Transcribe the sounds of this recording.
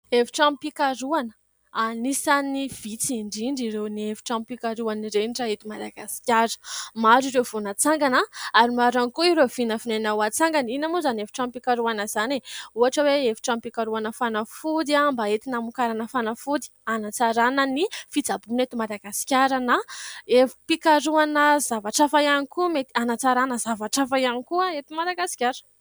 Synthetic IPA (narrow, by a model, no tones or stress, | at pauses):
efi̥ʈ͡ʂampikaɾuanə̥ | anisaniv̥it͡siɳɖ͡ʐiɳɖ͡ʐiɾewniefi̥ʈ͡ʂampikaɾuaniɾenʈ͡ʂaet̪umad̪aɡasi̥kʲjaɾə̥maɾiɾev̥onat͡saŋɡanaaɾimaɾanikuiɾev̥inəfinanawat͡saŋɡaninamuzanefi̥ʈ͡ʂampikaɾuanəzaneuaʈ͡ʂəweefi̥ʈ͡ʂampikaɾuanəfanafud̪iambaet̪inamukaɾanəfanafud̪i̥anat͡saɾanənifid͡zabunet̪imad̪aɡasi̥kʲaɾanaefi̥pikaɾuanəzavaʈ͡ʂafajanikumet̪i̥anat͡saɾanəzavaʈ͡ʂafajanikuaet̪imad̪aɡasi̥kʲaɾə̥